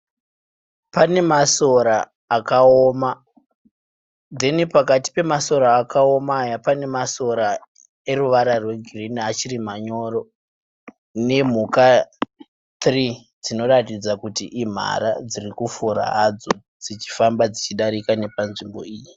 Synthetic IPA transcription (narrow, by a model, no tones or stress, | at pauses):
pane̞maso̞ɾaː | kaoma | d̪e̞nipakati̥pe̞maso̞ɾaːkao̞maːjapane̞maso̞ɾa | e̞ruʋaɾarwe̞ɡʱriniat͡ʃirim̤aɲo̞ro̞ | ne̞m̤uka | t̪ri | d͡zino̞ɾatid͡zakutiʔim̤a̰ɾad͡zirikufuɾa̰ɦad͡zo | d͡zit͡ʃi̥fambad͡zit͡ʃiɗaɾikane̞panʐimbo̞̰iːji